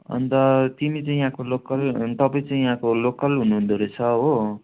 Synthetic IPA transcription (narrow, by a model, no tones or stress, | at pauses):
ʌ̰nt̪ʌt̪imit͡saĩjãkolokʌlt̪ʌpãĩt͡saĩjãkolokʌlɦunuɦund̪ʱoɾet͡sʰʌɦo